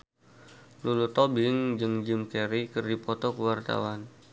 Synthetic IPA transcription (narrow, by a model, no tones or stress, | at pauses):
lulut̪obɪŋd͡ʒɨŋd͡ʒimkeɾikɨrdipɔt̪ɔkəwart̪a̰wan